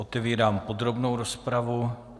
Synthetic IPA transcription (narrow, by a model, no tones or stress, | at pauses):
ot̪ɛviːɾaːmpo̞d̪ɾo̞bno̞wɾo̞spɾavu